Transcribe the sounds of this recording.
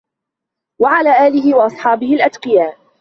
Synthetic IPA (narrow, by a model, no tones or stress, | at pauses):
waʕalaːʔaːlɪɦɪwɑʔɑsˤħɑːbɪhɪlʔad̪qɪjaː